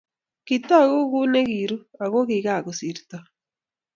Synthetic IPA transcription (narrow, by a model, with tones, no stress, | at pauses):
ki˨ta˦˨ɣu˦ɣu˦ne˦ɣi˨ɾu˦a˨ɣo˦ɣi˨ɣa˦˨ɣo˨si˨ɾita˨